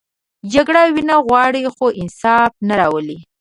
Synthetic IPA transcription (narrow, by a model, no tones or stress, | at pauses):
d͡ʒaɡɽawinaɣwɑɽixoʔɪnsɑfnaɾɑwəli